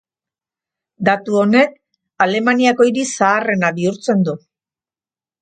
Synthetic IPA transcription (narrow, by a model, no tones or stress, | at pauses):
d̪at̪uo̞ne̞k̚ | ale̞maniako̞iɾisaːre̞naβiuɾt͡se̞nd̪u